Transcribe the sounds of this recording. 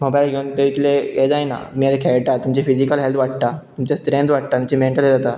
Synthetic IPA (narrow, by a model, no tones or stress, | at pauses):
mobajlɡʱeunt̪əit̪lejed͡zajna̰miːad͡zekʰɛɭʈat̪umt͡ɕefid͡ʑikəlɦelt̪ʋaʈ̚t̪at̪umt͡ɕast̪ɾẽnd̪ʋaʈ̚t̪at̪umt͡ɕemẽɳʈəled͡zat̪a